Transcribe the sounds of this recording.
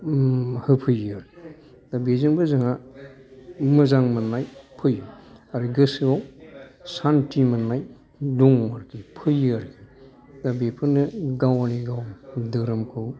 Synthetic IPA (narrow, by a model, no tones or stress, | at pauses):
hɯpʰɯjɯaɾ | dabezɯŋbɯzɯŋa | mɯzaŋmɯnːajpʰɯjɯaɾiɡɯsɯawsantimɯnːaj | duŋmaɾkipʰɯjɯaɾki | dabepʰɯnɯɡawaniɡawdɯɾɯmkʰɯw